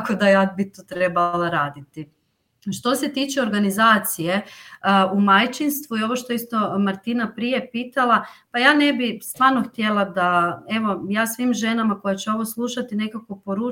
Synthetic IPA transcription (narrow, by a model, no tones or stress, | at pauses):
kod̪ajad̪̚bit̪ut̪ɾebalˠaɾaːd̪it̪i | ʃt̪o̞se̞t̪iːt͡ʃeo̞ɾɡanizaːt̪sije̞ | umajt͡ʃinst̪ʋuio̞ʋo̞ʃt̪oist̪o̞maɾt̪inapɾije̞piːt̪alˠapajaːne̞bist̪ʋaɾno̞xt̪je̞lˠad̪ae̞ʋo̞jaːsʋimʒe̞namako̞jat͡ɕeo̞ʋoslˠuʃat̪ine̞kako̞po̞ɾu